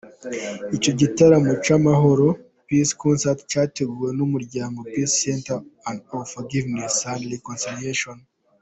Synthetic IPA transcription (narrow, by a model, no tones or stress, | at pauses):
ico̞ɟitaɾamot͡ʃamaɦo̞ɾo̞ | piskʰonsaltcaːte̞ɡuwe̞numuɾɟaːŋɡo̞pissentaandofoɡivnesandɾikonsilieʃon